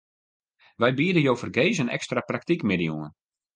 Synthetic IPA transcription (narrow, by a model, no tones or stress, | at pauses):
ʋɛjbiədəjowfərɡejsənɛ̰kstraprak̚tikmɪdəjuən